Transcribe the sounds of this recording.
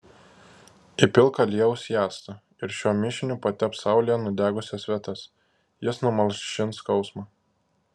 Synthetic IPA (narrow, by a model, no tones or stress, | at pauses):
ɪpʲɪlˠˑkɐlʲiɛʊsʲjæːst̪ɐ | ɪɾʃʲuɔmʲɪʃʲɪnʲupɐt̪ʲɛpsɑˑʊlʲɪjɛnʊd̪ʲæːɡʊsʲɛsʋʲɛt̪ɐs | jɪsnʊmɐlʲˠʃʲɪnt̪skɒʊsmɑː